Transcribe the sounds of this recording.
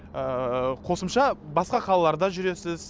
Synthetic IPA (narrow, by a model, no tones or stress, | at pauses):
əqʰo̞səmʃɑbɑsqɑqʰɑlˠɑlˠɑɾd̪ɑʒʏɾe̞sɪz